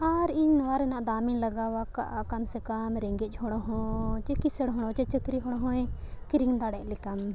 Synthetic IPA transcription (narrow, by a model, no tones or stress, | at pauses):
aɾinʋaɾenãʔd̪aːminləɡaːʋakkɐmsekɐmɾeŋɡed͡ʒɦoɽ̃oɦõːt͡ʃekiseɽɦoɽ̃õt͡ʃet͡ʃəkɾiɦoɽoɦõẽkiɾiŋd̪aːɽelikɐm